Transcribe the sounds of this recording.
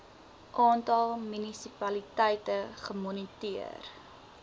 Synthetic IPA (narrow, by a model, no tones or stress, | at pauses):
ʔɑːntɐlˠmynisipɐlitɛjtəχəmɔnitiə̰r